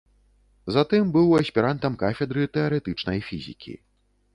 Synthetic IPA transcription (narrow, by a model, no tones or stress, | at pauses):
zat̪ɨmbɨwɐsʲpʲiɾant̪ɐmkafʲɛd̪ɾɨt̪ɛɐɾɛt̪ɨt͡ʂnɐjfʲḭzʲḭkʲḭ